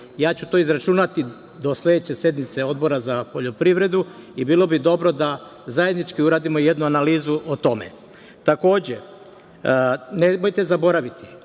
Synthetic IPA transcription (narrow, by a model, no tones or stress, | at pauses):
jaːt͡ɕut̪o̞ːizɾat͡ʃunat̪i | d̪o̞slʲe̞d̪et͡ɕe̞sje̞d̪nit̪se̞o̞d̪̚bo̞ɾazapo̞ʎo̞pɾiʋɾe̞d̪uibiːlˠo̞bid̪o̞bɾo̞d̪a | zajed̪nit͡ʃkiuɾaːd̪imo̞je̞d̪nuanaliːzuʔot̪o̞me̞̰ | t̪ako̞ːd͡ʑe̞ | nemojt̪e̞zabo̞ɾaʋit̪i̥